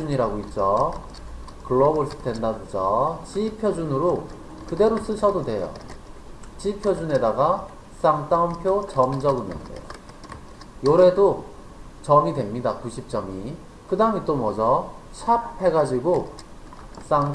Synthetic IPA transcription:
uɲiɾaɡoit̚t͡ɕ͈a | kɯɭːʌboɭs͈ɯ̥dendadod͡ʑat͡ɕipʰjʌd͡ʑunɯɾo | kɯde̞ɾos͈ɯɕʰʌdodwe̞jʌ̰ | t͡ɕipʰjʌd͡ʑune̞daɡa | s͈aŋt͈aumpʰjot͡ɕʌmd͡ʑʌɡɯnːɯ̰ndḛjo̰ | joɾe̞do | t͡ɕʌmidwe̞mɲidakuɕʰip̚t͡ɕ͈ʌmi | kɯdaɯmit͈omʌd͡ʑʌ | t͡ɕʰaphe̞ɡad͡ʑiɡo | s͈aŋ

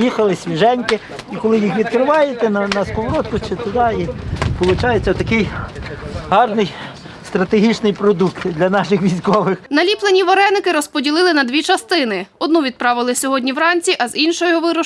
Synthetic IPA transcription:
jixɐlˠɪsʲʋʲiʒɛnʲkɪ | ikɔlˠɪjixʋʲid̪kɾɪʋɑjet̪ɛnɐnɑskɔʋɔɾɔt̪̚kʊt͡ʃɪt̪ʊd̪ɑipɔlˠʊt͡ʃɑjet͡sʲːɐt̪ɐkɪj | ɦɑrnɪj | st̪ɾɐt̪eɦʲit͡ʃnɪjpɾɔd̪ukt̪d̪lʲɐnɑʃɪxʋʲijsʲkɔʋɪxnɐlʲiplˠenʲiʋɐɾɛnɪkɪɾɔspɔdʲilˠɪlˠɪnɐd̪ʋʲit͡ʃɐst̪ɪnɪɔd̪nuʋʲid̪̚pɾɑʋɪlˠɪsʲɔɦɔdʲnʲiʋɾɑnʲt͡sʲiʔɐzinʃɔjɔʋɪɾɔ

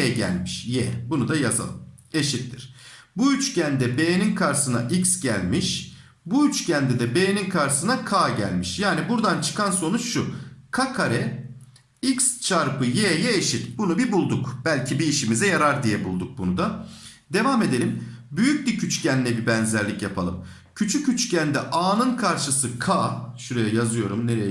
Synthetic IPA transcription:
jɛɟæ̰lʲmiʃjɛbunud̪ajaza̰lˠɯme̞ʃit̪ːiɾ̥buyt͡ʃcʰænd̪ɛbejninkʰaɾsɯna̰ʔicsɟælʲmiʃ | buyt͡ʃcʰænd̪ɛd̪ɛbeːninkʰaɾsɯnakʰaːɟæ̰lʲmiʃjaːnibuɾd̪ant͡ʃʰɯ̥kʰanso̞nut͡ʃʃukʰakʰaɾɛ | ikst͡ʃʰaɾpɯjeːjɛːʃit̪bunubibulˠd̪ukb̥ælʲcʰibiːʃimizɛjaɾaɾd̪ijɛbulˠd̪uk̚bunud̪a | d̪e̞vame̞d̪e̞lʲimbyjyc̚bicʰyt͡ʃcʰænːʲɛbibænzæɾlʲicjapʰalˠɯ̰m | cʰyt͡ʃʰycːyt͡ʃcʰænd̪ɛʔaːnɯnkʰaɾʃɯsɯkʰaːʃuɾejɛjazɯjo̞ɾumne̞ɾejɛ

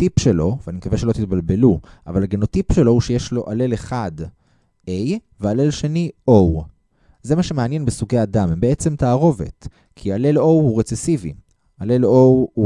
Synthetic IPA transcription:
t̪ipʃelo̞veanimkaveʃelo̞t̪it̪̚balbe̞luʔa̰valaɡenot̪ipʃelo̞huʃejeʃlo̞ʔale̞leχad | ʔej | veale̞lʃe̞niʔow | ze̞maʃemeanje̞nbesuɡejadamhembeet͡se̞mt̪aːʁo̞ve̞̰t̪ | kʰiale̞lo̞whuʁet͡sesivḭ | ale̞lowu

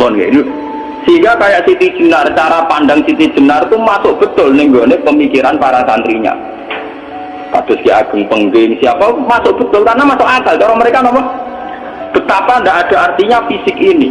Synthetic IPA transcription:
mɔnka̰ʔnu | səɦiŋɡakajaʔsit̪id̥ʒ̥ənart͡ʃaɾapandaŋsit̪i̥d͡ʒ̥ə̤nart̪umasʊʔ̚b̥ə̤t̪ʊlnɪŋɡonepəmikiɾankaɾaŋsant̪ɾiɲa̰ | k̪a̰d̪̥ʊskiaɡ̥ə̤ŋpəŋɡɪŋsiapamasʊʔ̚b̥ət̪ʊlk̪arnamasʊʔaɡalt͡ʃɔɾɔməɾekanɔmɔn | b̥ət̪apandaʔad̥a̤art̪iɲafisɪkini

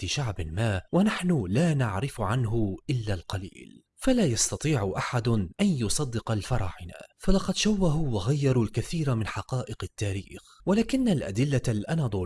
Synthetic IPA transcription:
iʃaʕbɪmaːwanaħnʊlaːnaʕɾɪfʕanɦʊʔɪlːalqɑlḭːl | falaːjɑst̪ɑt̪ˤiːʕʊʔaħad̪ʔanjʊsˤɑd̪ːɪqɑlfɑɾˤɑ̰ːʕɪna̰falɑqɑd̪ʃawːaɦʊːwaɣajːɑɾˤuːlkaθiːɾamɪnħɑqɑːʔɪqɪt̪ːaːɾiːx | walaːkɪnːalʔa̰d̪ɪlːalʔanɑd̪ˤʊ

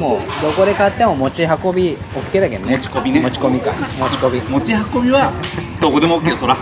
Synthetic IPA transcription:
mod̪o̞ko̞d̪e̞kat̪ːe̞mo̞mo̞t͡ɕiɦako̞bʲi | okːe̞ːd̪aked̪onet͡ɕi̥kobʲinemot͡ɕi̥komʲika̰mot͡ɕi̥kobʲimo̞t͡ɕihako̞bʲiβad̪̥okod̪e̞moːkːesoɾa

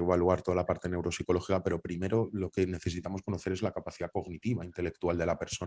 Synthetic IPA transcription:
βaluaɾt̪o̞ðalapaɾt̪e̞ne̞wɾo̞siko̞lo̞xikape̞ɾo̞pɾime̞ɾo̞lo̞ke̞ne̞θe̞sit̪amo̞sko̞no̞θe̞ɾe̞zlakapaθiðako̞ɣnit̪iβaint̪e̞le̞k̚t̪uald̪e̞lape̞ɾso

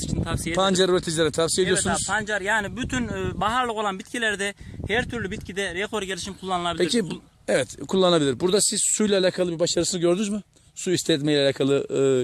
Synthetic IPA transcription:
nt̪ʰasiepʰand͡ʒaɾuɾet̪ʰid͡ʒilʲeɾnit̪ʰafsijeijosunzpʰand͡ʒaɾjaːnibyt̪ʰynːbaɦaɾlˠɯko̞lˠanbit̪cʰilʲæɾd̪ɛhæɾt̪ʰyɾlʲybit̪cʰid̪ɛɾekʰo̞ɾɟelʲiʃimkʰulˠːanɯlˠabilpeci | ɛvɛt̪kʰulˠːanabilʲiɾbuɾd̪asiz̥sujlʲaːlʲaːkʰalˠɯbibaʃaɾɯsɯnɯɟø̞ɾd̪ynuzmɯ | suist̪ʰɛɛt̪meilʲɛalʲaːkʰalˠɯ

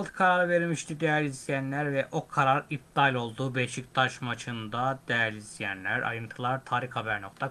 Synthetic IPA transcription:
lˠt̪ʰkʰaɾaɾɯveɾimiʃt̪ʰid̪ejæɾʲizijænlʲæɾvɛʔo̞kʰaɾaɾip̚d̪alʲo̞lˠd̪uːbejʃicʲd̪aʃmat͡ʃʰɯnd̪ad̪ɛjæɾlizijænlʲæɾa̰jɯnt̪ʰɯlˠaɾt̪ʰaːɾixhabæɾno̞k̚t̪ʰa

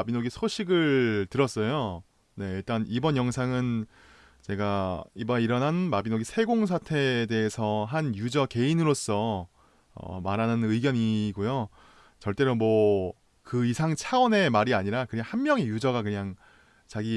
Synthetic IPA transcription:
binoɡisʰoɕʰiɡɯɭtɯɾʌs͈ʌjo | ne̞iɭt͈anibʌnjʌŋsʰaŋɯn | t͡ɕe̞ɡaibʌiɾʌnɦanmabinoɡisʰe̞ɡoŋs̬ʰatʰe̞de̞ːsʰʌɦanjud͡ʑʌke̞inɯɾos͈ʌ | ʌ̰maɾanɯnɯiɡjʌɲiɡojo | t͡ɕʌɭt͈e̞ɾomwʌ | kɯisʰaŋt͡ɕʰawʌne̞maɾiaɲiɾakɯɲaŋhanmjʌŋejud͡ʑʌɡakɯɲaŋ | t͡ɕaɡi

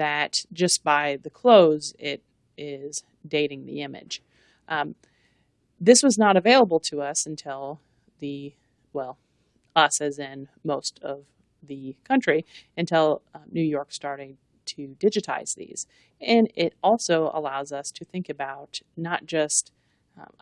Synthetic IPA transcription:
ðɨt̚d̥ʒ̥ʌsb̥aɪðɨkʰl̥oʊzɪɾ | ɪz | deɪɾɪ̃ŋðḭɪ̃mɨ̰d̥ʒ̥ | ðɪswʌznəɾɨveɪlˠəbl̩ˠtʰəʌsɨ̃n̩tʰɪlˠ | ðɨ | wɛlˠ | ʌsɨzɪ̃nmoʊstʰʌv | ðɨkʰʌ̃nt͡ʃɹ̥iɨ̃ntʰɪlˠnʉjɔɹkstɑɹɾɪ̃ŋ̚ | tʰɨdɪd͡ʒɨɾʰa̰ɪz̥ðḭz̥ | ɨ̃nɪɾɔlˠsoʊə̰laʊzʌstʰɨθɪ̃ŋkɨbaʊtnət̚d̥ʒ̥ʌst

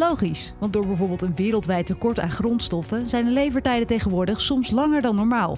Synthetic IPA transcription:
lowχisʋɑntdʊːɹbɛjvʊːɹbɪːlˠtənʋɪːɾəlˠtʋɛjtːəkɔɹta̰ːnχrɔntstɔfəzɛjndəlejvəɹtɛjdətejχənʋʊːɹdəχsɔmslɑŋəɹdɑnːɔɹmaːlˠ

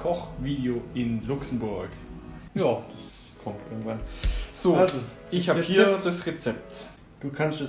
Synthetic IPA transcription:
kʰɔχviːdeoːʔɪnlʊksm̩bʊɐkjaːd̥as | kʰɔmtʔɪ̰ɐɡŋ̩tv̥anz̥oːazoʔɪçhaːəhiːɐd̥asʁɛt͡sɛp̚t | d̥uːkʰanstɛ

